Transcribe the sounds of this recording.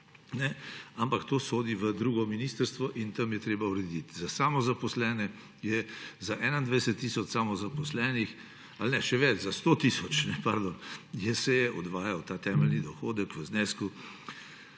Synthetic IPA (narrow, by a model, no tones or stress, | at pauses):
nɛampakt̪oːsoːd̪iʋəd̪ɾuːɡɔminist̪əɾst̪ʋɔʔint̪ɐmjɛt̪ɾeːbauɾɛd̪it̪zasaːmɔzapɔslɛːnɛ | jɛzaʔɛːnand̪ʋɛdsət̪ːiːsɔt͡ʃsamɔzapɔslɛːnix | alnɛʃɛʋɛt͡ʃzast̪oːt̪isɔt͡ʃnɛpaɾd̪onjɛsɛjɛʔɔd̪ʋaːjawt̪aːt̪ɛːməlnid̪ɔxoːd̪əkʋəznɛsku